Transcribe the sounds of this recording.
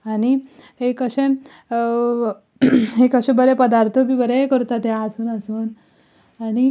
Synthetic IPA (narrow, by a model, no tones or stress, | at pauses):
aɽ̃i | hekəɕẽ | ɦekəɕẽbəɾepəd̪aɾt̪ʰobiːbəɾekəɾut̪at̪jaəsuːnəsuːn | aɽ̃i